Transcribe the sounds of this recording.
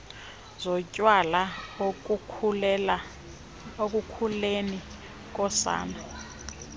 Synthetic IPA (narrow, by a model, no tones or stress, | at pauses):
zɔcʼwalao | ok̬ʼukʰuleni | k̬ʼɔsa̰ːna